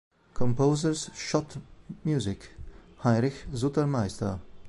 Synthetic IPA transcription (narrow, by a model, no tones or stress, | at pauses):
kʰɔmpoʊzəsʃɔtmjuːzɪk | haɪʁɪçzutəmaɪstɐ